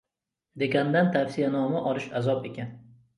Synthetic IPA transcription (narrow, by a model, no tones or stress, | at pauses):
d̪e̞ɡʲand̪ant̪ʰafsɪjanɒmaʔɒlɪʃazɒpe̞kʲʰan